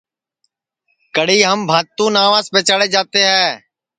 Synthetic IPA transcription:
kəɽiːɦəmbʱaːt̪ːũːnaːʋaːspeːt͡ʃaːɽeːd͡ʒaːt̪eːɦɛ̃ː

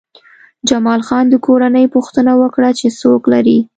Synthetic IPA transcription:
d͡ʒamɑlxɑnd̪əkoɾanəjpuxt̪ənawəkɽat͡ʃesoklaɾi

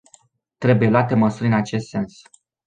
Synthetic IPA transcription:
t̪ɾe̞buje̞lwat̪e̞məsurʲɨnat͡ʃe̞st̪se̞ns

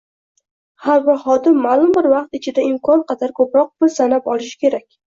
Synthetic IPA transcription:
haɾvaχɒd̪ɪmːalˠʊmbɪɾvɑq̚t̪ɪt͡ʃʰɪd̪aɪmkʰɒnqʰɑd̪aɾkʰɵpɾɒq̚bɪɾsanapɒlˠɪʃɪ̥kʲʰe̞ɾakʲ

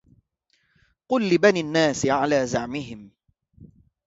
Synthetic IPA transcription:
qʊlːɪbaniːanːaːsɪʕalaːzaʕmɪɦɪm

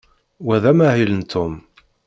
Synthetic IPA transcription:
wæðæmæhilənt̪ʰːʊm

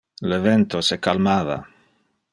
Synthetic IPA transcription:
eleβent̪osekalmaða̰

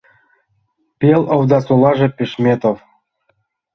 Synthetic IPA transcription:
pʲelovd̪ɑsolɑʒĕpʲeʃmʲet̪ov

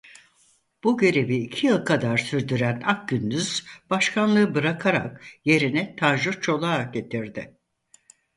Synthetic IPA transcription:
b̥uɟe̞ɾe̞viːcʰijɯlˠkʰad̪aɾsyɾd̪yɾænak̚ɟynd̪yz̥b̥aʃkʰanlˠɯɯbɯɾakʰaɾa̰kje̞ɾinɛt̪ʰaʒut͡ʃʰo̞lˠaːɟe̞t̪ʰiɾd̪ɪ

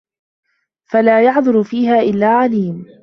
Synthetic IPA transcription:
falaːjɑʕd̪ˤʊɾʊfiːɦaːʔɪlːaːʕaliːm

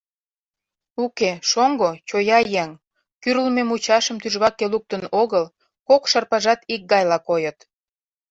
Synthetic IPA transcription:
ukeʃoŋɡot͡ɕojɑjæŋ | kyɾəlmemut͡ɕɑʃə̆mt̪yʒβɑkeluk̚t̪ənoɣəl | kokʃɑrpɑʒɑt̪ik̚ɡɑjlɑkojət̪

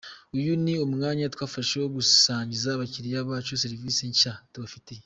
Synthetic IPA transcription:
ujuniommŋaːɲatwaːfaʃewoβusaːɲɟizaβaciɾijaβaːt͡ʃoseɾivisiɲcatuβafite

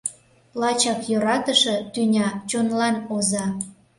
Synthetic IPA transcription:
lɑt͡ɕɑkjoɾɑt̪əʃɤ̆t̪ynʲɑt͡ɕonlɑnozɑ

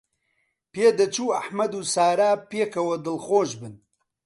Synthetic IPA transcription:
peːd̪ɐt͡ʃʰuːɐħmɐd̪uːsaːɾaːpeːkʰɐwɐd̪ɨlxoːʒbɨn

